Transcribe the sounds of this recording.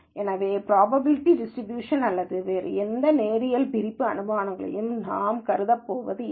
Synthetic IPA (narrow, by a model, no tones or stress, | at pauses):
ʔɛːnɐʋeːpɾaːbɐbɪlɪʈːiɖɪsʈɾɪbjuːʂɐnɐlːɐðɯʋeːɾɯ̰ɛnd̪ɐneːɾɪjɐlpɪɾɪpːɯɐ̰nɯbaːnɐŋɡɐɭɐ̰jɯmnaːmkɐɾɯðɐpːoːʋɐ̰ðɯ